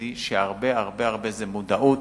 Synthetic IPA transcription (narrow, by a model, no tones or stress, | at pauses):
iʃeaʁbeaʁbeaʁbezemud̪aʔut